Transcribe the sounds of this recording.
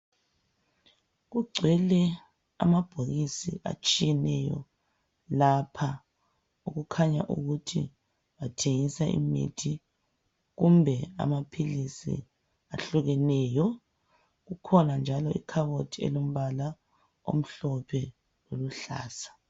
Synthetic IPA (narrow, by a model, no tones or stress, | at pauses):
ɣuɡ͡ǀʱwɛlɛ | a̰mab̥ʱoɣisiʔa̰t͡ʃʼijɛnɛjɔ̰ | lapʰa | uɣukʰaɲa̰ʔṵɣutʰḭ | βatʰeŋisaʔḭmḭtʰi | ɣumbʱɛa̰mapʰilisḭ | aɬuɣɛnɛːjɔ | ɣukʰɔnand͡ʒʱalɔʔikʰaβotʰiḛlom̩βala | o̰m̩ɬɔpʰɛ | loluɬa̰ːsḁ